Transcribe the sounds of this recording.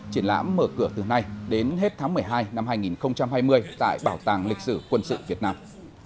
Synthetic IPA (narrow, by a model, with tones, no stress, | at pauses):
t͡ɕi˧˩ənla̰ː˧˥mːəː˧˩kɨ˧˩ət̪ɨ˨˩na˧jɗe˨˦nɦe˦˥t̚t̪ʰaː˨˦ŋmɨ˨˩əjɦaː˧jna˧mhaː˧jŋi˨˩nxə˧wŋ͡mt͡ɕa˧mhaː˧jmɨ˧əjt̪a̰ː˧˨jɓaː˧˩wt̪aː˨˩ŋlï˨˩k̟̚sɨ˧˩kwə˧nsɨ̰˧˨vi˨˩ət̚naː˧m